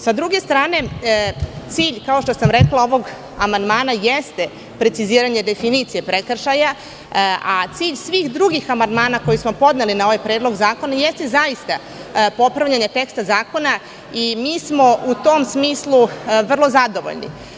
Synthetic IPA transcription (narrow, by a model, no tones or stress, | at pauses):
sad̪ɾuɡe̞st̪ɾaːne̞ | t̪siːʎkao̞ʃt̪o̞samɾe̞klˠao̞ʋo̞ɡ | amand̪maːnajest̪e | pɾe̞t̪siziːɾaɲe̞d̪e̞finit̪sije̞pɾekr̩ʃaja | at̪siːʎsʋiːxd̪ɾuɡixamand̪maːnako̞jismo̞po̞d̪nelinao̞ʋajpɾe̞ːd̪lˠo̞ɡzaːko̞naje̞st̪e̞zaist̪a | po̞pɾavʋʎʲaɲet̪e̞kst̪azaːko̞na | imiːsmo̞ut̪omsmiːslˠuʋr̩lˠo̞zad̪o̞ʋo̰ʎnḭ